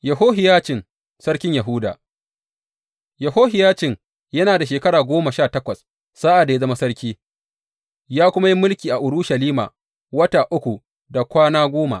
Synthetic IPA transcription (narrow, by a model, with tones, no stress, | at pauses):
jɐ˨ɦoː˦ɦɪ˨jaː˦t͡ʃɪ˨ŋ | sɐ˦ɽkʲɪ˦ɲjɐ˨ɦʊ˦da̰ː˨ | jɐ˨ɦoː˦ɦɪ˨jaː˦t͡ʃɪ˨ŋ | jɐ˦naː˨da˨ʃeː˨kɐ˦ɽaː˨ɡʷoː˦ma˨ʃaː˦˨tɐ˦kʷɐ˨sː | aː˦ʔa˨da˨ja˦zɐ˦ma˦sɐ˦ɽkʲiː˦ | jaː˦kʷʊ˦ma˦ji˦mʊ˦lkʲiː˨ʔa˨ʔʊ˨ɾʊ˦ʃɐ˨liː˦ma̰ː˨ | wɐ˦taː˨ʔʊ˦kʷu˨ | da˨kʷaː˦naː˦ɡʷoː˦ma̰˨ʔ